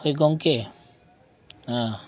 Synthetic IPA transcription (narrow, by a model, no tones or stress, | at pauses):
ojɡɔŋke | ã